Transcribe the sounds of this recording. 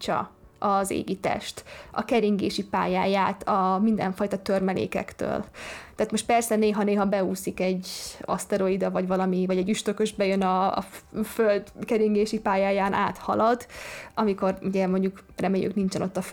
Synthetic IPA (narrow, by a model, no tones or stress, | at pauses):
t͡ʃɒ̰ | ɒzḛːɡit̪ɛ̰ʃt̪ɒ̰kɛɾiŋɡḛːʃipa̰ːjaːjaːt̪ʰɒmind̪ɛɱfɒjt̪ɒt̪ørmɛlḛːkɛ̰kt̪ø̰ːlt̪ɛaːt̪mo̞ʃt̪pɛrsɛneːɦɒneːɦɒbɛuːsikɛɟo̰st̪ɛɾo̞id̪ɒvɒɟvɒlɒmivɒɟɛɟyʃt̪økøʒbɛjønɒ̰ | føld̪kɛɾiŋɡeːʃipaːjaːjaːnʔa̰ːt̪hɒ̰lɒd̪ɒmiko̞ruɟɛmo̞ɲɟukrɛmeːjy̰knint͡ʃɛno̞t̪ːɒ